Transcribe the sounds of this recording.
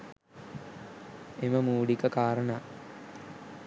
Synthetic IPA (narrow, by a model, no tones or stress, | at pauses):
eməmuːɖikəkaːɾənaː